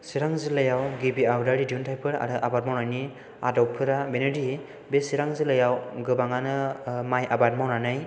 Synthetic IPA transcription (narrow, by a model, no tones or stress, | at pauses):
siɾaŋzɯlɯjawɡibiawdaɾidiuntʰajpʰɯɾa̰ɾɯʔabat̚mawnajni | a̰dɔw̚pʰɯɾabenɯdi | besiɾaŋzɯlɯjawɡɯbaŋanɯmajʔabat̚mawnanɯj